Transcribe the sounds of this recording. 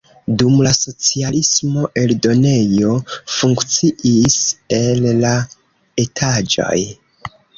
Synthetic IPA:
dumlaso̞t͡sialismo̞ʔe̞ldo̞ne̞jo̞fuŋkt͡siʔise̞lla | e̞tʰad͡ʒo̰j

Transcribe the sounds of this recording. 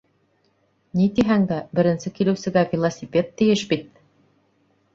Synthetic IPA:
nit̪iɦæŋd̪æbɘ̆ɾɘ̆nsɘkilɘ̆wsɘ̆ɡævʲilˠɐsʲipʲet̪ːɘ̆jɘʃbit̪̚

